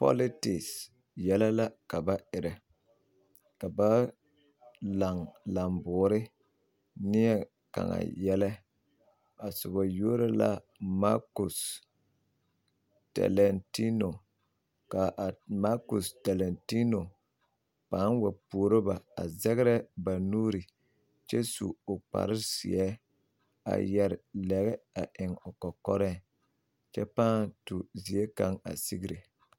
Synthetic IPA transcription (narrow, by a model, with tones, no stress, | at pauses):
pɔ̰˦lɪ˦tɪ˨ks | jɛ˦la˦la˦ka˨ba˦ɪ˨ɾɛ˨ | ka˨ba˦ | la˨ŋla˨mbʊː˨˦ɾɪ˦ | nɪ˦ɛ˦ | ka̰˨ŋa̰˨jɛ˦la˦ | a˨sʊ˨ba˨jo˦ɾa˦la̰˦ | ma˦ku˨s | tɛ̰˨lɛ˨nti˦no˨ | ka˨ʔma˦ku˨sta˨lɛ˨nti˦no˨ | pa˦nwa˨pu˨o˨ɾo˦ba˨a̰˨zɛ˦ɣɪ˦ɾɛ˦ba˨nuː˦ɾi˨ | t͡ʃɛ˦sṵ˨ʊ˨k͡pa̰˨ɾɪ˦sḭ˨ɛ˦ | a̰˨jɛ˨ɾɪ˨lɛ˨ɣɛ˦a˨ʔɪ˨ŋʊ˨kɔ˨kɔ˦ɾɛ˦ | t͡ʃɛ˦pa˦ntu˨zi˨e˦ka˦ŋa̰˨si˦ɡi˦ɾe˨